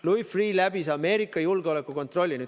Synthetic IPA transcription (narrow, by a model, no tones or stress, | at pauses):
lujfriːlæbisɑme̞ːɾikːˑɑjulɡ̥eo̞le̞kːˑuko̞nt̪ˑro̞lʲːiny